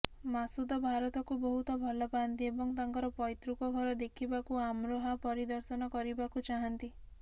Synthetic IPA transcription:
masud̪ɔbʱaɾɔt̪ɔkubɔɦut̪ɔbʱɔlɔpaɔnt̪iebɔŋt̪aŋkɔɾɔpɔjt̪ɾukɔɡʱɔɾɔd̪ekʰibakuamɾoɦapɔɾid̪ɔɾsɔnɔkɔɾibakut͡ʃaɦant̪i

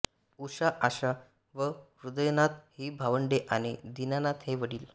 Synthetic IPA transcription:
uɕaʔaɕa | ʋə | ɾud̪əjnat̪hiːbʱaʋəɳɖeʔañid̪inanat̪ɦeʋəɽiːl

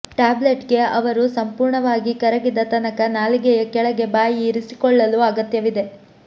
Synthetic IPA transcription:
ʈaːbleʈɡe̞ɐʋɐɾusɐmpuːɾɳɐʋaːɡikɐɾɐɡid̪ɐt̪ɐnɐkɐnaːliɡɛjɐkɛɭɐɡe̞baːjiːɾisi̥kɔɭːɐluɐɡɐt̪jɐʋid̪e̞

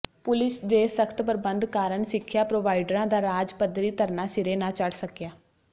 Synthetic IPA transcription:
pʊlɪsd̪eːsəkʰt̪pəɾbənd̪kaːɾəɳsɪkʰːjaːpɾoːʋaːiɖɾãːd̪aːɾaːd͡ʒpəd̪ɾiːt̪əɾnaːsɪɾeːnãːt͡ʃəɽsəkjaː

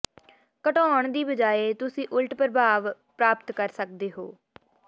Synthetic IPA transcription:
kəʈɔːəɳd̪iːbəd͡ʒaːeːt̪ʊsĩːʔʊlʈpɾəbʱaːʋ | pɾaːpt̪kəɾsək̚d̪eːɦo̰ː

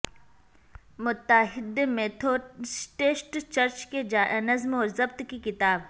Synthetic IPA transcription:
mʊt̪ːəɦɪd̪emẽt̪ʰoːsʈeːsʈt͡ʃɐɾt͡ʃked͡ʒaːʔnɐzmɔːɾzɐbt̪kikɪt̪aːb

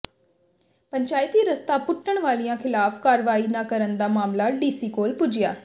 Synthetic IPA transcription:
pəɲt͡ʃaːɪt̪iːɾəst̪aːpʊʈʰːəɳʋaːlijãːkʰɪlaːfkaːɾʋaːiːnaːkəɾənd̪aːmaːmlaːɖiːsiːkoːlpʊd͡ʒɪjaː

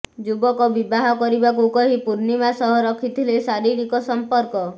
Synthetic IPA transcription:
d͡ʒubɔkɔbibaɦɔkɔɾibak̬ukɔɦipuɾnimasɔɦɔɾɔkʰit̪ʰilesaɾiɾikɔsɔmpɔɾkɔ

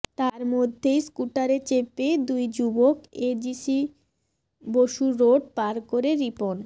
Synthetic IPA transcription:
t̪aɾmod̪ʱːejskuʈaɾet͡ɕeped̪ujd͡ʑuboked͡ʑisi | boʃuɾoɖpaɾkoɾeɾipon

